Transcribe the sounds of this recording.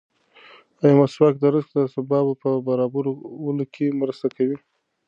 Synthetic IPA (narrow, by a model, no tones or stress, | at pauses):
ajamaswɑk̚d̪əɾəsk̪d̪əsabɑbapəbaɾɑbaɾowulokʰemɾast̪akawi